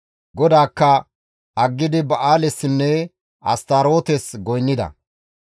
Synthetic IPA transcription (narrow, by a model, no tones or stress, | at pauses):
ɡɔd̪aːkːɐ | ʔɐɡːɪd̪ɪbɐʔaːlɛsːɪnːɛ | ɐ̰st̪ɐɾo̞ːt̪ɛsɡɔjnːɪd̪ɐ̰